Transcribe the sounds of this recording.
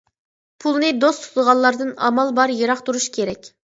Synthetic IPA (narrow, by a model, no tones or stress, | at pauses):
pʰulˠnɨd̪ost̪ʰu̥t̪ʁɑllːˠɑɾd̪ɨnɑ̰mɑlˠbɑɾjeɾɑχt̪uɾuʃkʲʰeɾɛkʲ